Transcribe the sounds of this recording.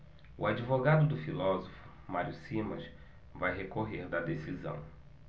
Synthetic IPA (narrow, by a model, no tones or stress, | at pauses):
ʊ̰ad͡ʒivoɡad̪ʊd̪ʊfilɔzofʊ̥ | maɾiʊsimɐs | vajɦekoɦeɾd̪ɐd̪esizɐ̰̃w̃